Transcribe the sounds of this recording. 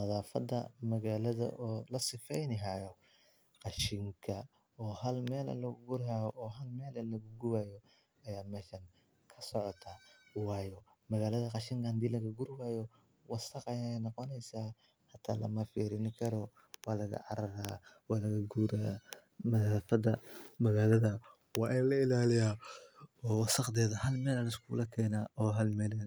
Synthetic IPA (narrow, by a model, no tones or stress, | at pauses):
nɐðaːfɐ̰d̪ɐ̰mɐɣaːlɐðɐ̰ʔɔːlɐsɪfɛjnɪɦajɔ | qɑʃɪŋkʰɐ | ɔːɦɐlmɛːlɐ̰lɐɡʊɡʊɾɦajɔʔɔːɦɐlmɛːlɐlɐɣʊɡʊwaːjɔ | ɐjaːmɛːʃɐŋ | kʰɐsɔʕɔt̪ʰa | wɑːjɔ | mɐɣaːlɐðɐqɑʃɪŋkɐhɐnd̪iːlɐɣɐɡʊɾwaːjɔ | wɑsɐqɑjanɔqɔnɛjsaː | ħɑt̪ʰa̰ːlɐ̰mɐfiːɾɪnɪkʰɐɾɔ | waːlɐɣɐ̰ʕɑ̰ɾɐɾaːwaːlɐɣɐɡuːɾa | mɐðaːfɐd̪ɐmɐɣaːlɐðɐ | wɑːʔɛlɐɪlaːlɪjaː | ɔːwɑsɐqd̪ɛːðɐhɐlmɛːlɐlɐɪskʰṵːlɐkʰɛːnaːʔɔːɦɐlmɛːlɛ